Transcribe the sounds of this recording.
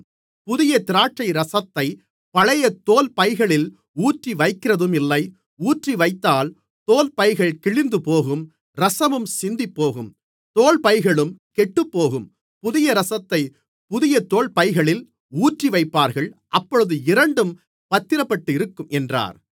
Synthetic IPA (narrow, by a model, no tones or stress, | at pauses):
pʊðɪjɐt̪ɪɾaːʈ̚t͡ʃɐɪɾɐsɐt̪ːɐɪ | pɐɻɐjɐt̪ːoːlpɐɪɣɐɭɪl | uːʈriʋɐɪkːɪrɐðɯmɪlːɐɪ | uːʈriʋɐɪt̪ːaːl | t̪oːlpɐɪɣɐɭkɪɭɪnd̪ɯpoːɣɯm | ɾɐsɐmɯmsɪnd̪ɪpːoːɣɯm | t̪oːɭpɐɪɣɐɭɯmkɛʈːɯpːoːɣɯm | pʊðɪjɐɾɐsɐt̪ːɐɪ | pʊðɪjɐt̪oːlpɐɪɣɐɭɪl | uːʈriʋɐɪpːaːɾɣɐɭʔɐpːɔɻɯðɯɪɾɐɳɖɯm | pɐt̪ːɪɾɐpːɐʈːɯɪɾɯkːɯmʔɛndra̰ːɾ